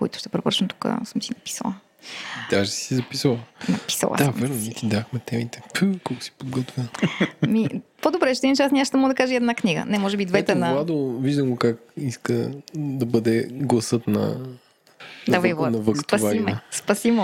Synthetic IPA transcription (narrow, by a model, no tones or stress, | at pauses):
ko̰it̪ʊ̥ʃt̪ɛpɾovɾə̰t͡ʃnəmt̪u̥kə̰səmsinɐpi̥sə̰lˠɐ | id̪aʃɛsizɐpisəlˠnɐpi̥sə̰lˠa̰d̪amvɛɾnomɛt̪id̪axmɛt̪ɛmit̪ɛ̥pkɔlˠkʊ̥si̥pod̪ɡɔt̪v | mipod̪obɾɛt͡ʃʃɛtɛd̪int͡ʃasnʲɛaʃt̪ɛmɔɡəd̪ɐkaʒɛiɛd̪nakniɡə̰nɛmɔʒɛbid̪vɛt̪ɛnɐlˠad̪oviʒd̪əmɡokak | iskəd̪ɐbəd̪ɛɡlˠɐsɤt̪nɐ̰ | d̪avvˠanɐvɐkt̪pɐsvaɾimɛspɐsim